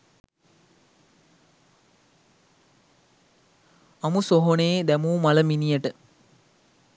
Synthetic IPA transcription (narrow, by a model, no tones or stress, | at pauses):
amusoɦoneːd̪æmuːmaləminijəʈə